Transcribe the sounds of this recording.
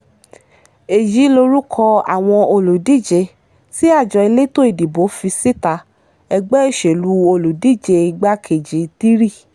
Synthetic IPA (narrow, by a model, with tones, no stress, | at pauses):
e˨ji˨˦lo˧ɾu˦kʰɔ˧a̰˨w̃ɔ̃˧o˧lu˨di˦˨d͡ʒe˧ | si˦a˦˨d͡ʒɔ˨i˧le˦to˦e˨di˨bo˨˦fi˧si˦ta˧ | ɛ˧ɡ͡bɛ˦e˦˨ʃe˨lu˧˦o˧lu˨di˦˨d͡ʒe˧i˧ɡ͡ba˦kʰe˨d͡ʒi˨ti˦ɾi˦˨